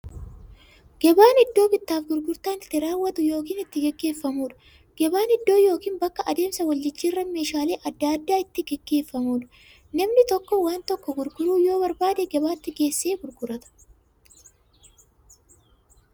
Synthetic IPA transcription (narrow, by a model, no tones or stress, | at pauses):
ɡ̥ɛbaːnɪd̪ːo̞ːbɪt̪ːaːfɡʊɾɡʊɾt̪aːnɪt̪ːɪɾaːwːɐt̪ʊjo̞ːkiːnɪt̪ːɪɡɛɡːe̞ːfːɐmuːᶑɐ̥ | ɡ̥ɛbaːnɪd̪ːo̞ːjo̞ːkiːnbɐkːɐʔɐd̪e̞ːmsɐwɐld͡ʒɪd͡ʒːirːɐme̞ːʃaːleːʔɐd̪ːɐd̪ːaːɪt̪ːɪɡɛɡːe̞ːfːɐmuːᶑɐ̥ | nɐmnɪt̪ɔkːɔwaːnt̪ɔkːɔɡʊɾɡʊɾuːjo̞ːbɐɾbaːd̪ɛɡɛbaːt̪ːɪɡe̞ːsːeːɡʊɾɡʊɾɐt̪ɐ̥